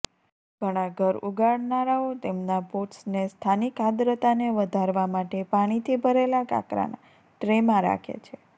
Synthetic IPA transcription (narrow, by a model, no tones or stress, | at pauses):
ɡ̥ʱəɽ̃aɡʱəɾuɡaɽnaɾaot̪emnapoʈsnest̪ʰanikad̪ɾət̪aneʋəd̪ʱaɾʋamaʈepaɽ̃it̪ʰibʱəɾelaka̰kɾa̰na̰ | ʈɾemãɾa̰kʰḛt͡ʃʰe